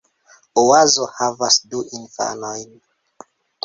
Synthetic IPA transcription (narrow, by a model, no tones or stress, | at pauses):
owazohavasduʔinfa̰nojn